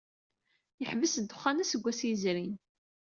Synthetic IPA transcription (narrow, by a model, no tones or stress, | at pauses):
jəħvəsd̪ʊχːænæsəɡʷæsizɾin